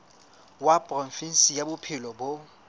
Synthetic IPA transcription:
wapʼrɔfin̩sijabʊpʰɪlɔbʊ

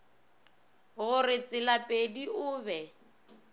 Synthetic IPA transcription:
ɣʊrɪt͡sʼɪlapʼediʊːbɛ

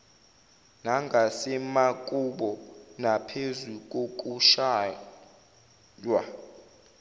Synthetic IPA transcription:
naŋɡʱasɛmakʼuɓɔnapʰezuk̬ʼok̬ʼuʃaː | lwa

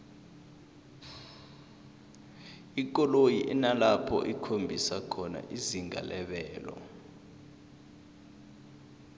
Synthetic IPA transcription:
ik̬ʼɔlojiʔɛnalapʰɔ̰ʔikʰombʱisakʰɔna̰ʔiziŋʱa̰lɛɓɛːlɔ̰

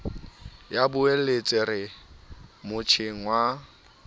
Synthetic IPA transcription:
jabʊelet͡sʼɪɾɪ | mʊt͡ʃʰɪŋ̩wa

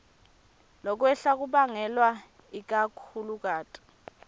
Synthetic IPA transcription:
lɔk̬wɛɬak̬uɓaŋɛlwa | ik̬akʰuluk̬ʼaːtʼi̥

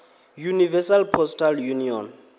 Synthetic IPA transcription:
junivɛsalpʰɔstʰaljuniɔ̰n

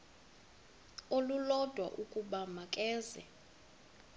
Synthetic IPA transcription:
olulɔd̥ʱwa̰ʔukʼuɓamakʼɛːzɛ̰

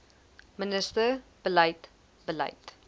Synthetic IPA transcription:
mənəstəb̥əlɐjt | bəlɐ̰jt

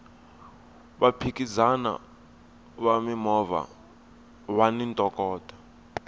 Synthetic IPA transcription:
βapʰik̬ʼizana̰ | βamimɔva̰ | wanintʼɔkʼɔːd̥ʰʱʼa

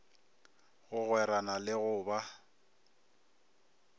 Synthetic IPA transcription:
ɣʊɣwɛɾanalɪɣʊːba

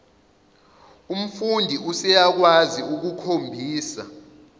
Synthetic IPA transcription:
um̩fundʱiusɛjak̬waziuk̬ukʰombʱiːsa

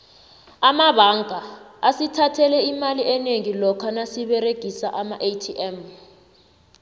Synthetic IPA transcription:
amaɓaŋɡʱaːsitʰatʰɛlɛimaliʔɛneŋilɔkʰanasiɓɛreɡ̥ʱisaʔamaʔetʰiʔɛm

